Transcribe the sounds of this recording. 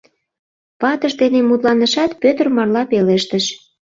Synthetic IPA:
pɑt̪əʃd̪enemut̪lɑnəʃɑt̪pøt̪ərmɑrlɑpeleʃt̪əʃ

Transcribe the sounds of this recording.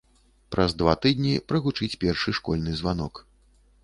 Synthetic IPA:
pɾɐzd̪vat̪ɨd̪ʲnʲipɾɐɣut͡ʂɨt͡sʲpʲɛrʂɨʂkɔlʲnɨzvanɔk

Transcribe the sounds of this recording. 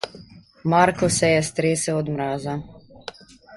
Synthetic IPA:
maɾkɔsɛjɛst̪ɾeːsɛɔd̪mɾaːza

